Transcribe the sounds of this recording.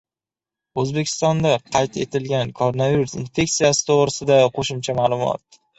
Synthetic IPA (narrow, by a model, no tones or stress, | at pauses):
ɵzbe̞kʲʰɪ̥st̪ɒnd̪aqʰɑjt̪e̞̰t̪ʰɪlɡʲankʰoɾonaviɾusɪnfe̞k̚ʲt̪sijasɪ̥t̪ʰoʁɾɪsɪd̪aqʰoʃɪmt͡ʃʰamaːlˠʊmɒ̰t̪̚